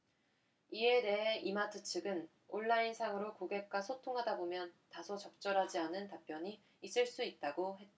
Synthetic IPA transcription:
ie̞de̞ɦe̞ʔimatʰɯt͡ɕʰɯɡɯn | oɭːainsʰaŋɯɾokoɡe̞k̚k͈wasʰotʰoŋɦadabomjʌntasʰot͡ɕʌk̚t͡ɕ͈ʌɾɦad͡ʑianɯntap͈jʌɲiː | s͈ɯɭs͈uit̚t͈aɡoɦe̞t̚t͈a

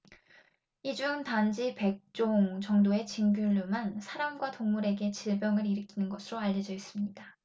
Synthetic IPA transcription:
id͡ʑuntand͡ʑipe̞k̚t͡ɕ͈oŋt͡ɕʌŋdoe̞t͡ɕinɡjuʎːumansʰaɾamɡwatoŋmuɾe̞ɡe̞t͡ɕiɭbjʌŋɯɾiɾɯkʰinɯnɡʌsʰɯɾoaʎːʌd͡ʑʌis͈ɯmɲida

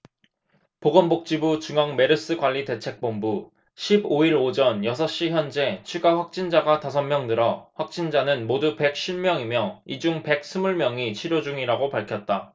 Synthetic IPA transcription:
poɡʌmbok̚t͡ɕ͈ibut͡ɕuŋaŋme̞ɾɯs͈ɯɡwaʎːite̞t͡ɕʰe̞k̚p͈ombu | ɕʰiboiɾod͡ʑʌnjʌsʰʌɕ͈içjʌnd͡ʑe̞t͡ɕʰuɡaɸwak̚t͡ɕ͈ind͡ʑaɡatasʰʌnmjʌŋdɯɾʌɸwak̚t͡ɕ͈ind͡ʑanɯnmodupe̞k̚ɕ͈ʰiɭmjʌŋimjʌid͡ʑuŋpe̞k̚s͈ʰɯmuɭmjʌŋit͡ɕʰiɾjod͡ʑuŋiɾaɡopaɭkʰjʌt̚t͈a

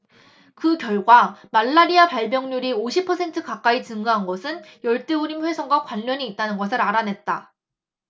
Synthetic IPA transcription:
kɯkjʌɭɡwamaɭːaɾiapaɭmjʌŋɲuɾioɕʰipʰʌsʰe̞ntʰɯkak͈ait͡ɕɯŋɡaɦanɡʌsʰɯnjʌɭt͈euɾimɸwe̞sʰʌŋɡwakwaʎːʌɲiːt̚t͈anɯnɡʌsʰɯɾaɾanɦe̞t̚t͈a

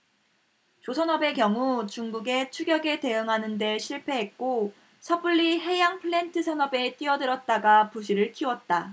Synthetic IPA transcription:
t͡ɕosʰʌnʌbe̞kjʌŋut͡ɕuŋɡuɡe̞t͡ɕʰuɡjʌɡe̞te̞ɯŋɦanɯnde̞ɕʰiɭpʰe̞ɦek̚k͈o | sʰʌb͈uɭːiɦe̞jaŋpʰɯɭentʰɯsʰʌnʌbe̞t͈iʌdɯɾʌt̚t͈aɡapuɕʰiɾɯɭkʰiwʌt̚t͈a

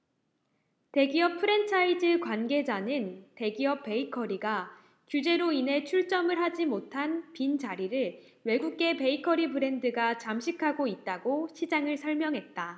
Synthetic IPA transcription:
te̞ɡiʌpʰɯɾe̞ntʰaid͡ʑɯkwanɡe̞d͡ʑanɯnte̞ɡiʌp͈̚ːe̞ikʰʌɾiɡa | kud͡ʑe̞ɾoinɦe̞t͡ɕʰuɭt͡ɕ͈ʌmɯɭɦad͡ʑimotʰanpind͡ʑaɾiɾɯɭ | we̞ɡuk̚ɡ͈e̞pe̞ikʰʌɾipɯɾe̞ndɯɡat͡ɕamɕʰikʰaɡoit̚t͈aɡoɕʰid͡ʑaŋɯɭsʰʌɭmjʌŋɦe̞t̚t͈a

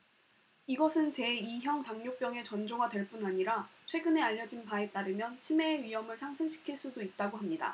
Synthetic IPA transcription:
iɡʌsʰɯnt͡ɕe̞içjʌŋtaŋɲop͈jʌŋe̞t͡ɕʌnd͡ʑoɡadwe̞ɭp͈unaɲiɾat͡ɕʰwe̞ɡɯne̞aʎːʌd͡ʑinpae̞t͈aɾɯmjʌnt͡ɕʰime̞ɥiɦʌmɯɭsʰaŋsʰɯŋɕʰi̥kʰiɭs͈udoit̚t͈aɡoɦamɲida̰

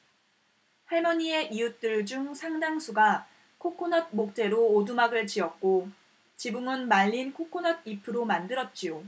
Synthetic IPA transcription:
he̞mʌɲie̞ʔijut͈ɯɭd͡ʑuŋsʰaŋdaŋsʰuɡa | kʰokʰonʌd̚mok̚t͈e̞ɾoːdumaɡɯɭt͡ɕiʌk̚k͈o | t͡ɕibuŋɯnmaʎːinkʰokʰonʌd̚ipʰɯɾomandɯɾʌt̚t͡ɕ͈ijo

